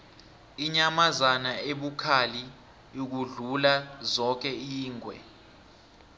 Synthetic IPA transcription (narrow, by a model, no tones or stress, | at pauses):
iɲamazanaeɓukʰali | jok̬uɮulazɔk̬ɛiːŋʱwɛ̰